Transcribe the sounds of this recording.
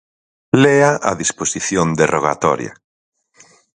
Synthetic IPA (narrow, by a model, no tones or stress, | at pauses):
lɛaʔa̰ðisposiθjond̪eroɣ̞a̰t̪ɔ̰ɾja̰